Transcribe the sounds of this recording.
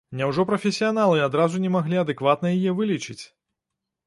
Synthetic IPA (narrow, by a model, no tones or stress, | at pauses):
nʲɛwʐɔpɾɐfʲɛsʲijanalˠɨad̪ɾazunʲɛmaɣlʲiɐd̪ɨkvat̪nɐjijɛvɨlʲit͡ʂɨt͡sʲ